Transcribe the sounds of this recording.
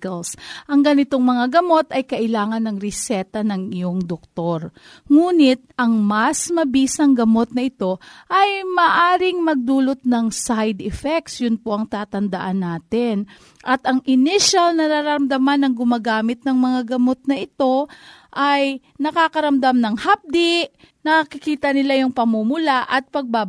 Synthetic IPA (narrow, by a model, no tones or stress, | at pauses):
lsʔɐŋɡɐnɪt̪o̞ŋmɐŋaɡɐmo̞t̪ɐjkɐʔɪlaːŋɐnːɐŋɾɛsɛt̪ɐnɐŋɪjo̞ŋd̪ok̚t̪o̞ɾ | ŋuːnɪt̪̚ʔɐŋmɐsmɐbiːsɐŋɡɐmo̞t̪̚nɐʔɪt̪o̞ʔɐjmɐʔaːɾɪŋmɐɡ̚d̪uːlo̞t̪̚nɐŋsajd̪ɛfɛk̚t̪sjʊnpoʔɐŋt̪aːt̪ɐnd̪ɐʔanːaːt̪ɪn | ʔɐt̪ɐŋʔɪnɪʃalnɐɾaɾɐɐmd̪ɐmanːɐŋɡʊmaːɡaːmɪt̪̚nɐŋmɐŋaɡɐmo̞t̪̚nɐʔɪt̪o̞ʔɐj | nɐkaːkɐɾɐmd̪amnɐŋhap̚d̪ɪʔ | nɐkɐkɪkiːt̪ɐnɪlajʊŋpɐmumʊlaʔɐt̪̚pɐɡ̚ba